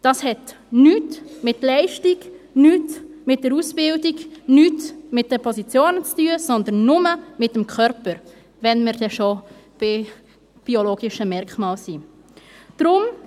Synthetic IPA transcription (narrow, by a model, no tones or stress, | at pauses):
d̥ɑshɛt | nyːtmɪtlɛɪʃtiɡ | nyːtmɪt̚d̥ɛɾusb̥ɪldiɡnyːtmɪt̚d̥ɛpʰɔsit͡sjoːnət͡styəsɔnd̪ənːʊməmɪtəmkʰχœɾpəɾ | vɛnmɪɾd̥ɛʃob̥ɪ | b̥ioloːɡɪʃəmɛɾkmɑːlsi | d̪̥ɾʊm